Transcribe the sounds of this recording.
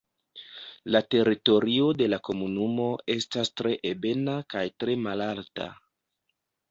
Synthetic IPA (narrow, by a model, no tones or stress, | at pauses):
late̞ɾito̞ɾio̞de̞lako̞munumo̞e̞stastɾe̞ʔebe̞nakajtɾe̞malalta̰